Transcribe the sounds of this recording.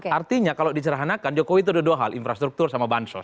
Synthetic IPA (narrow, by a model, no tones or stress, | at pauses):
kart̪iɲakalodit͡ʃəɾaɦanakand͡ʒokowit̪̬udoduaɦalinfɾast̪ɾuk̚t̪ʊrsamabansɔ̰s